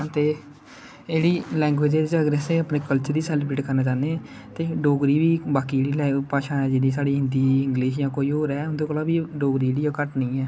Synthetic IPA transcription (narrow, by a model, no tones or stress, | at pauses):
t̪eː | eːɽiːlɛ̃ːŋɡweːd͡ʒeɾd͡ʒaːɡɾɛːseːəpneːkəlt͡ʃəɾd̪iːsɛːlbɾeːʈkəɾnaːt͡ʃaːneː | t̪eːɖoːɡɾiːʋiːbaːkiːeːɽiːlɛːpaːʃãːɛːd͡ʒeːɽiːsaːɽiːɦɪ̃nd̪iːɪ̃ŋɡleːʃ̬jãːkoːiːɦoːɾɛːʊnd̪oːkəlaːbiːɖoːɡɾiːeːɽiːoːkəʈnəĩːɛː